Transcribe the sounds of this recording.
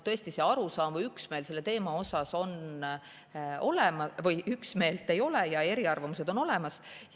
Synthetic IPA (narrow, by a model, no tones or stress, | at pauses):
t̪ɤ̞est̪ise̞ɑɾusɑːmvɤjyksme̞ːlse̞lːe̞t̪e̞ːmɑo̞sɑso̞n | o̞lemɑvɤjʔyksme̞ːlt̪ːˑe̞jo̞lejɑe̞ɾiɑrvɑmuse̞d̪o̞no̞le̞mɑs